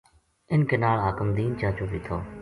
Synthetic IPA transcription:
ɪnkeːnaːɭɦaːkəmd̪iːnt͡ʃãːt͡ʃoːʋiːt̪ʰoː

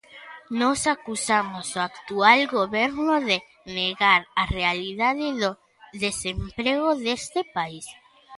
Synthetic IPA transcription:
nosakusamosoakt̪ualɡoβeɾnoðe | neɣaɾarealiðaðeðo | ðesempɾeɣ̞oðest̪epais

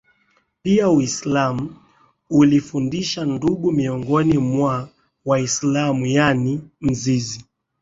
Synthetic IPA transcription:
piauislamu | ulifundiʃanduɠumiɔŋɡɔnimwa | waislamujanim̩zizi

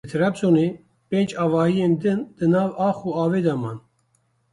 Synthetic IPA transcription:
t̪ʰɾabsone | pẽːnd͡ʒɑːvɑːhijend̪ɨnd̪̥ɨnɑːvɑːxuɑːveːd̪ɑmɑːn

